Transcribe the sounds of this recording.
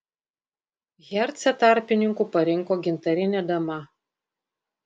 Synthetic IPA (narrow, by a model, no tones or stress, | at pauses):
ɣʲɛɾʲt̪sʲɛt̪ɑˑɾʲpʲɪnʲɪŋkuːpɐɾʲɪŋˑkoːɡʲɪnt̪ɐɾʲɪnʲɛd̪ɐmɐ